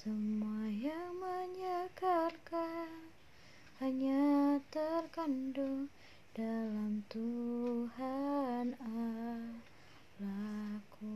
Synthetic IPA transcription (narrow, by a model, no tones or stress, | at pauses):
səmajamaɲakarka | haɲat̪ərkanduŋ | dalamt̪uɦana | laku